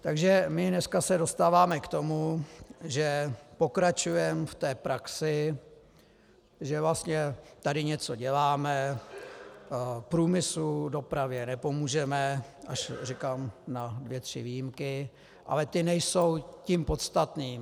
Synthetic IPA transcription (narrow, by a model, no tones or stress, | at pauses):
t̪aɡʒɛmɪnɛskasɛdo̞st̪aːvaːmɛkt̪o̞muʒɛpo̞kɾat͡ʃujɛmft̪ɛːpɾaksɪ | ʒɛvlast̪ɲɛt̪adɪɲɛt͡so̞ɟɛlaːmɛ | pɾuːmɪsludo̞pɾavjɛnɛpo̞muːʒɛmɛʔaʃrɪkaːmnadvjɛt̪r̝̥ɪ̰vijimkɪ | ʔa̰lɛt̪ɪnɛjso̞wcimpo̞t̪st̪at̪niːm